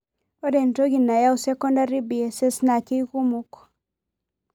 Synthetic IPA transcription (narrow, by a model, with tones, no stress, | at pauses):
o˦de˨nto˦ɡi˨nːa˨ja˦wuse˦ko˦nda˦ɾi˦bi˨e˨se˦sna˨ki˦jku˦muk